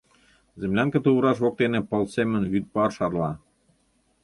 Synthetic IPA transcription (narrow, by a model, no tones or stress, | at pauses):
zɘ̆mlʲæŋkĕt̪uβɤ̆ɾɑʃβok̚t̪enĕpɤ̆lsemɘ̆nβyt̪̚pɑrʃɑrlɑ